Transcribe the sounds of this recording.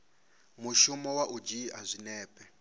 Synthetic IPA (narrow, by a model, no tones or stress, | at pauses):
muʃumɔwaʔud͡ʒiɦazʷinɛːpʼɛ